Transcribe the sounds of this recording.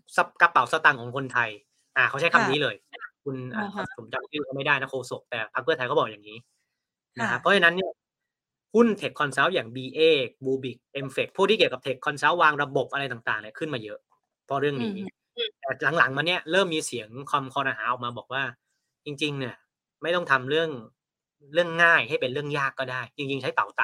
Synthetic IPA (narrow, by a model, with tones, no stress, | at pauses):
sa˧ka˦˥pːa˨˩˦wsa˧t̪a˧ŋkʰɔː˨˩˦ŋkʰo˧nt̪ʰa˧j | ʔaː˨˩kʰa˦˥wt͡ɕʰa˥˩kʰa˧mniː˦˥lɤː˧ja˥a˥˩kʰu˧nʔa̰ː˨˩kʰa˧m˨˩pʰo˩˦mt͡ɕa˨˧˩t͡ɕʰɯː˥˩kɔː˥˩ma˥˩jda˥˩jna˦˥kʰoː˧so˨˩k̚t̪ɛː˨˩pʰa˦˥k̚ʰɯ˥˩ɐt̪ʰa˧jkɔ˥˩ɔː˨˩jaː˨˩ŋiː˦˥ | na˦˥kʰa˦˥ppʰːɔ˦˥t͡ɕa˧na˦˥nːi˥˩ɐ | hu˥˩nt̪ʰe˨˩kʰːɔ˧nsɛː˦˥˩wjaː˨˩ŋbiː˧ʔeː˥˩buː˧bi˨˩k̚ʔe˧mfe˨˩k̚pʰːuː˥˩t̪ʰiː˥˩i˨˩kp̚t̪e˨˩kʰːɔ˧nsa˦˥wːaː˧ŋɾa˧bo˨˩p̚ʔa˧ɾa˧jt̪a˨˩ŋt̪aː˨˩ŋni˦˥˩kʰɯ˥˩nmaː˧jɤ˦˥ʔ | pʰɔ˦˥ɾɯ˥˩əŋniː˦˥ | t̪ɛː˨˩la˩˦ŋla˩˦ŋma˧nːi˥˩ɐɾɤː˥˩mːiː˧si˨˩˦əŋkʰwa˧mkʰɔː˧nʔaː˧ɦaː˩˦ʔɔː˨˩k̚maː˧bɔː˨˩k̚waː˥˩ | t͡ɕi˧ŋt͡ɕi˧ŋni˥˩ɐ | ma˥˩jt̪ɔ˥ŋt̪ʰa˧mɾɯ˥˩əŋ | ɾɯ˥˩əŋːaː˥˩jha˥˩jpe˧nɾɯ˥˩əŋjaː˥˩kːɔː˥˩daː˥˩jt͡ɕi˧ŋt͡ɕi˧ŋt͡ɕʰa˦˥jt̪a˨˩wt̪a˨˩